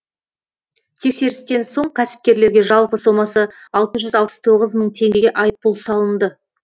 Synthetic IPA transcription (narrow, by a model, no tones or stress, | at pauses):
t̪ʰe̞kse̞ɾɪst̪e̞nso̞ɴqʰæsɪ̥p̚kʲe̞ɾle̞ɾɡʲe̞ʒɑlˠpəso̞mɑsəɑlˠt̪əʒʏzɑlˠpə̥st̪ʰo̞ʁəzməɴt̪ʰe̞ŋɡʲeɡʲe̞ʔɑjəpːʊlˠsɑlˠənd̪ə